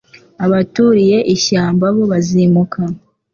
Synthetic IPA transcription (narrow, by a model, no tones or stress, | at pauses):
aβatuɾije̞ʔiçaːmbaβo̞βazimukʰa